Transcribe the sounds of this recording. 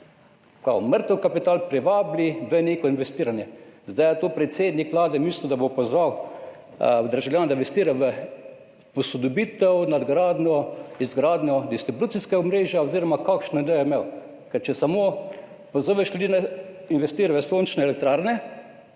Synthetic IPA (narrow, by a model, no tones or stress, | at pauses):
ka̰məɾt̪əwkapit̪aːlpɾɛʋaːbliʋəneːkɔinʋɛst̪iːɾanjɛzd̪ajat̪oːpɾɛt̪seːd̪nikʋlaːd̪ɛmisliud̪abopɔzʋaw | d̪əɾʒawljaːnd̪ainʋɛst̪iːɾaʋə | pɔsɔd̪obit̪ɛwnad̪ɡɾaːd̪nɔizɡɾaːd̪nʲjɔd̪ist̪ɾibut̪siskaɔmɾeːʒjaoziːɾɔmakakʃnɔid̪ɛjɔimew | kɛɾt͡ʃɛsamoː | pozoʋɛʃlʲud̪iːnainʋɛst̪iːɾaʋəsoːnt͡ʃnɛlɛk̚t̪ɾaːɾnɛ